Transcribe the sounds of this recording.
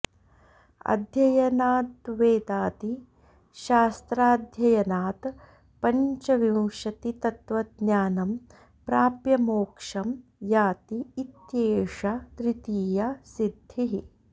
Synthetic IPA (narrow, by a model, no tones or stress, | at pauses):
ɐ̰d̪ʱjɐjɐnaːt̪ʋeːd̪aːt̪i | ʃaːst̪ɾaːd̪ʱjɐjɐnaːt̪ | pɐɲt͡ʃɐʋĩwʃɐt̪it̪ɐt̪ʋɐd̪njaːnɐm | pɾaːpjɐmoːkʂɐmjaːt̪iːt̪jeːʂɐt̪ɾɪt̪iːjɐsid̪ʱːiɦi